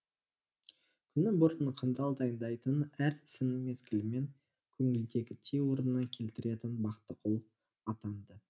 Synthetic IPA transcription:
kʲʰʏnɪbʊɾənəqʰənd̪ɑlˠd̪ɑjnd̪ɑjt̪ənæɾɪsɪnɪme̞skʲɪlɪme̞ŋ | kʲʰɵŋɪld̪e̞ɡʲɪt̪ʰewo̞ɾənənːɑŋkʲʰe̞lt̪ɪɾe̞t̪ɪnbɑqt̪əqʰolˠ | ɑt̪ɑnd̪ə

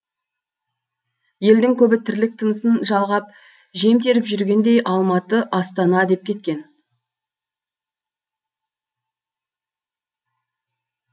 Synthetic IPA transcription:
je̞ld̪ɪŋkʲʰɵbɪt̪ʰɪɾlɪk̚t̪ʰənəsənʒɑlˠʁɑp̚ | ʒe̞mt̪e̞ɾɪpʒʏɾɡʲe̞nd̪e̞jʔɑlˠmɑt̪əʔɑst̪ɑnɑd̪e̞p̚kʲʰe̞t̪kʲe̞n

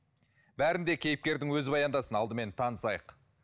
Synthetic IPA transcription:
bæɾɪnd̪e̞kʲʰe̞jɪp̚kʲe̞ɾd̪ɪŋwɵzɪbɑjɑnd̪ɑsənɑlˠd̪əme̞nt̪ʰɑnəsɑjəq

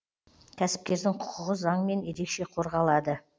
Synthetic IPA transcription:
kʲʰæsɪ̥p̚kʲe̞ɾd̪ɪŋqʰʊ̥qʊʁəzɑɴəme̞nje̞ɾe̞kʃe̞qʰo̞ɾʁɑlˠɑd̪ə

